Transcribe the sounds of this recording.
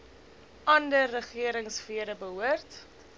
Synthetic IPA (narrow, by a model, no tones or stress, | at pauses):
ʔɐndərːəχiəɾəŋsfiəɾəbəɦuərt